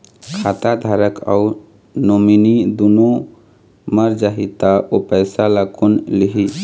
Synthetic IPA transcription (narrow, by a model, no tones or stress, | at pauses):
kʰat̪ad̪ʱaɾəka̰ʊ | nominid̪uno | məɾd͡ʒaɦit̪aopəɪsalakonliɦi